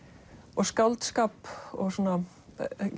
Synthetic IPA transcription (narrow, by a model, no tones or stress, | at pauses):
ɔɣskawlt̪skaːpɔ̰ɣsɔːna